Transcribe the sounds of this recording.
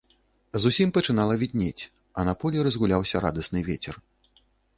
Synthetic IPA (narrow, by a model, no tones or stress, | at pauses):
zusʲimpɐt͡ʂɨnalˠɐvʲid̪̚ʲnʲet͡sʲ | ɐnɐpɔlʲiɾɐzɣulʲawsʲɐɾa̰d̪ɐsnɨvʲet͡sʲɛr